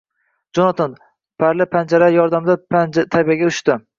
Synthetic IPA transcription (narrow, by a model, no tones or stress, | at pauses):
d͡ʒɒnɒt̪ʰɪn | pʰaɾlɪpʰand͡ʒaɾajɒɾd̪amd̪at̪ʰabijaɡʲaʊ̥ʃt̪ɪ